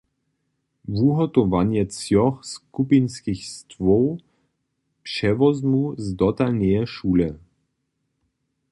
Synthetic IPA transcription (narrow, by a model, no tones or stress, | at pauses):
vuɦɔt̪ɔvanjɛt͡sjɔxskupinskixst̪vɔw | pʂɛvɔzmuzd̪ɔt̪alnɛɛʃuːlɛ